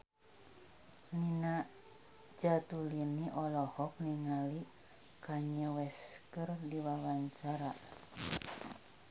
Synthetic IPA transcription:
nina | d͡ʒat̪uliniʔɔlɔhɔk̚niŋali | kaɲəwɛskərdiwawaɲt͡ʃaɾa

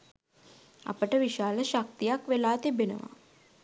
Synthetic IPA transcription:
a̰pəʈəʋiʃaːləʃak̚t̪ijakʋelaːt̪ibenə̰ʋa̰

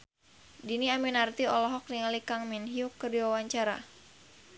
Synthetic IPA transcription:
diniaminart̪iɔlɔɦɔk̚niŋalikaŋminɦiukərdiwawaɲt͡ʃaɾa̰

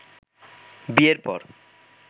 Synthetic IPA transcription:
bieɾpɔ̰ɾ

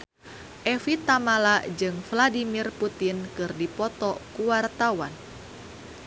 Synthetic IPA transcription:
ʔɛfit̪amalad͡ʒɨŋfladimirput̪inkɨrdipɔt̪ɔkuwart̪awan

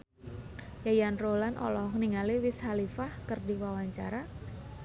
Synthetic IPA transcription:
jajanrolanʔɔ̰lɔhŋniŋaliwɪshalifahkərdiwawaɲt͡ʃaɾa

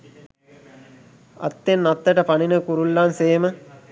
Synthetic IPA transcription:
ɐ̰t̪ːenːat̪ːəʈəpaninəkuɾulːanseːmə

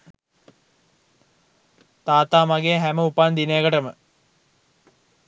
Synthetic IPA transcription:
t̪aːt̪aːmaɡeɦæməupand̪ineːɡəʈəmə

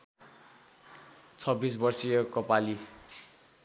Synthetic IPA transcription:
t͡sʰʌbːis̬bʌrsijʌkʌpali

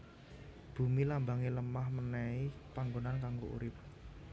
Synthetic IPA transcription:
b̥ṳmilambaŋiləmahmənɛipaŋɡonankaŋɡoʔṵɾɪp̚

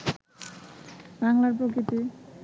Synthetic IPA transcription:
baŋlaɾpɾokɾit̪i

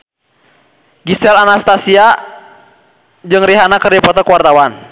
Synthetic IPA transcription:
ɡisɛlanast̪asia | d͡ʒɨŋriɦanakərdipɔt̪ɔkuwart̪awan

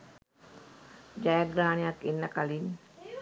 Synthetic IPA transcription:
d͡ʒajaɡɾaniakinːakalin

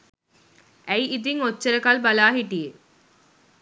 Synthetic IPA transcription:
æjʔid̪iŋot͡ʃːɐɾɐkalbɐlaːɦiʈije

